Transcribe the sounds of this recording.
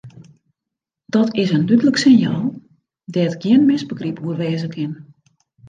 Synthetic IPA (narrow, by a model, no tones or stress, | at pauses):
d̥ɔtɪsəndytələksɪnjaːlˠ | dɛətɡ̥jiənmɪsbəɡripuərʋɛːzəkʰɪn